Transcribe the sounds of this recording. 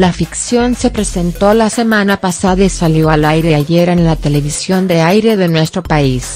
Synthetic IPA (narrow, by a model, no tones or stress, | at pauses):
lafiksjo̞nse̞pɾe̞se̞nt̪o̞lase̞mãnapasaðaisaljo̞alajɾe̞aʝeɾenlat̪e̞le̞β̞isjo̞nd̪e̞ajɾe̞ðe̞nwe̞st̪ɾo̞pais